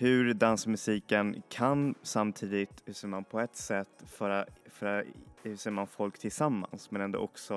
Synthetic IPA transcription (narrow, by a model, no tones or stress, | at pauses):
hɵɾd̪ansmɵsiːkənkʰansamt̪ʰiːd̪ɪt̪hʉseːɾmanpʰɔɛt̪sɛt̪ːfœɾafœɾahɵseːɾmanfɔlkt̪ʰɪlsamːa̰nsmɛnɛnd̪ɔ̰ʔɔksɔ